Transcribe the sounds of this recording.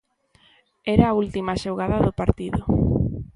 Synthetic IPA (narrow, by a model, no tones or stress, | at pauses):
ɛɾaːult̪imaʃoɣaðaðʊpaɾt̪iðʊ